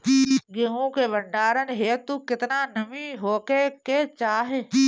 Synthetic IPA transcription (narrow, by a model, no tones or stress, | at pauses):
ɡeɦõkeʋəɳɖaːɾənɦeːt̪ukɪt̪nanɐmĩɦoːkeket͡ʃaːɦeː